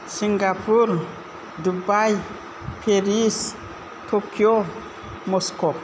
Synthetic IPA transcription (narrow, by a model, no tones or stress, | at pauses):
siŋɡapuɾ | dubaj | pʰeɾis | tʰokjo | moskop